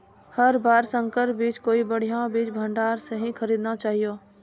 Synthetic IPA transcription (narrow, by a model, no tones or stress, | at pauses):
hɐɾbaːɾsə̃ŋkəɾpbiːt͡ʃkoːibəɽ̤ijãbiːt͡ʃbʱə̃ɳɖaːɾseɦĩxəɾiːd̪nat͡ʃaːɦijoː